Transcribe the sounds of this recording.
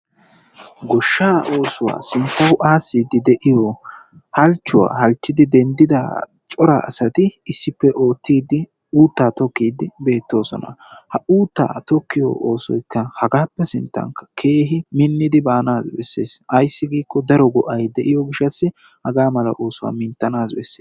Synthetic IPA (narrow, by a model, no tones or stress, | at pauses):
ɡɔʃːaːʔoːsʊwa̰ːsɪnt̪ːɐɡʊʔaːsːid̪ɪd̪ɛʔɪjɔ | hɐlt͡ʃːʊwa̰ːhɐlt͡ʃːɪd̪ɪd̪ɛnd̪ɪd̪a | t͡ʃʼɔɾa̰ɐ̰sɐt̪ɪɪsːɪpːɛʔo̞ːt̪ːiːd̪ɪ | uːt̪ːaːt̪ɔkːiːd̪ɪbe̞ːt̪ːo̞ːsɔ̰nɐ̰hɐʔuːt̪ːa̰ːt̪ɔkːɪjɔ̰ːoːsɔ̰jkːɐhɐɡaːpːɛsɪnt̪ːɐ̰ŋkːɐ̥kʰeːɦɪmɪnːɪd̪ɪbaːnaːzbɛ̰sːḛːsʔɐjsːɪɡiːkːɔd̪ɐɾɔɡɔʔɐjd̪ɛʔɪjɔɡɪʃːɐsːɪ | hɐɡaːmɐlɐʔo̞ːsʊwa̰ːmɪnt̪ːɐnaːzbɛ̰sːeː